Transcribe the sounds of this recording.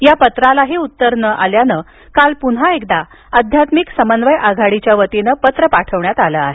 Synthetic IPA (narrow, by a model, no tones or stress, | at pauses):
japət̪ɾalaɦeut̪ːəɾnəʔaljanə | kalpunɦaek̚d̪a | əd̪ʱjat̪miksəmənʋəjʔaɡʱaɽit͡ɕjaʋət̪enəpət̪ɾəpaʈʰəʋɳjat̪aləːa̰ɦe